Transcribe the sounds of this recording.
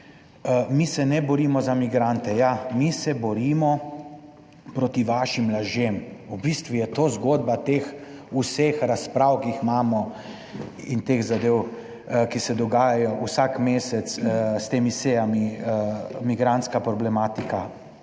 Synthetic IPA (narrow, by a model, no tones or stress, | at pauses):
misɛnɛbɔɾiːmɔzamiɡɾant̪ɛjamisɛbɔɾiːmɔ | pɾot̪iʋaːʃimːlaʒjemubist̪ʋujɛt̪oːzɡoːd̪̚bat̪eːxusexɾaspɾawkixmaːmɔ | int̪exzad̪eːw | kisɛd̪ɔɡaːjajɔʔusakmeːsɛt̪sst̪eːmiseːjami | miɡɾant̪skapɾɔblɛmaːt̪ika